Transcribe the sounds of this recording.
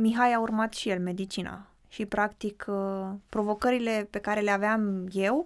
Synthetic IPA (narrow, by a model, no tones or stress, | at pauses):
miɦajaurmat̪ʃije̞lme̞d̪it͡ʃina̰ | ʃipɾakt̪ikʰpɾo̞vo̞kəɾile̞pe̞kaɾe̞leaveamje̞w